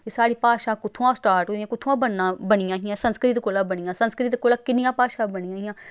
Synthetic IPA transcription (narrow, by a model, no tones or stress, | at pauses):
kisaːɽiːpaːʃaːkʊt̪ʰːoãːsʈaːɾʈɦoːijãːkʊt̪ʰoãːbənːãːbəɳijãːɦɪjãːsənskɾɪt̪koːlãːbəɳijãːsənskɾɪt̪koːlaːkɪnɪjãːpaːʃaːbənijãːɦɪjãː